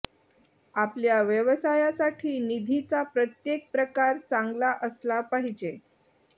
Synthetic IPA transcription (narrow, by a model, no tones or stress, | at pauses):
apljaʋjəʋəsajasaʈʰiːnid̪ʱit͡sapɾət̪jek̚pɾəkaɾt͡saŋɡlaʔəslapaɦid͡ʑe